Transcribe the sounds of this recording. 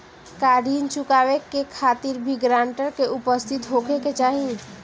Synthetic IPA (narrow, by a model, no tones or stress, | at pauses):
kaːɾiːnt͡ʃʊkaːʋekekʰaːt̪iɾbʱiɡɾãːɳʈəɾkeʊpəst̪ʰɪt̪ɦoːkeket͡ʃaːɦĩ